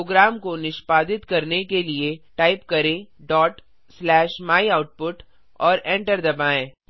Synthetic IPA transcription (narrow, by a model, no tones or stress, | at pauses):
oːɡɾaːmkonɪʃpaːd̪ɪt̪kɐɾnekelieʈaːɪpkɐɾẽɖɔːʈ | slɛːʃmaːiaːʊʈ̚pʊʈ | ɔːɾɛ̃ːɳʈəɾd̪ɐbaːẽː